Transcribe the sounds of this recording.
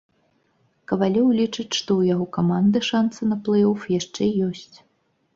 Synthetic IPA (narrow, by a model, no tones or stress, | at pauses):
kɐvalʲɔwlʲit͡ʂɨt͡sʲʂt̪ɔwjaɣɔkamand̪ɨʂant̪sɨnɐplˠɛjɔfjaʂt͡ʂɛjɔsʲt͡sʲ